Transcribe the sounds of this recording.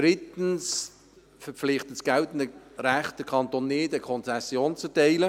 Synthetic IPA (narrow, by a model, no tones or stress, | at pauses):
d̥ɾɪtən̩s | fəp͡fflɪχtəsɡ̥ɛltənəɾæχt̚d̥əkʰɑntonːɪːdəkʰɔnt͡sɛsːjoːnt͡sətɛɪlə